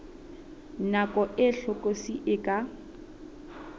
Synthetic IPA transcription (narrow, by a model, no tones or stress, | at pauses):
nakʼɔʔɪɬɔkʼosiʔɪkʼa